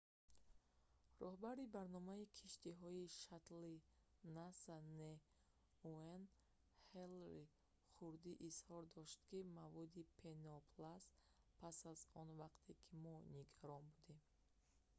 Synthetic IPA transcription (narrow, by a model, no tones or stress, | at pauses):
rɔhbaɾibaɾnɔmaikʰiʃt̪iɦɔiʃat̪linasane | uen | helɾi | χuɾd̪iʔːshɔɾd̪ɔʃt̪kimavɔd̪ipʰenɔpʰlas | pʰasazɔnvaqt̪ʰekʰimɔniɡaɾɔnbud̪em